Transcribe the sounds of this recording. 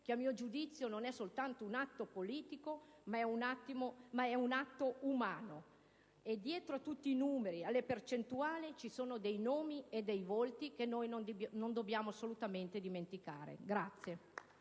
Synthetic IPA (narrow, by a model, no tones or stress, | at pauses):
keamiːod͡ʒud̪it̪sːjononɛsolt̪ant̪ounat̪ːopoliːt̪iko | maɛunat̪ːimomaɛunat̪ːoumaːno | ed̪ːjɛːt̪ɾoat̪ːut̪ːiːnuːmeɾialːepert͡ʃent̪uaːlit͡ʃisoːnod̪ejnoːmied̪ːɛjvolt̪ik̟enːojnond̪bnond̪objaːmoasːolut̪ament̪ed̪iment̪ikaːɾḛɡɾat̪sːje